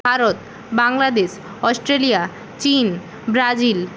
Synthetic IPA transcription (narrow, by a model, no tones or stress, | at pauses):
bʱaɾot̪ | baŋlad̪eʃ | ɔsʈɾelija | t͡ɕin | bɾad͡ʑil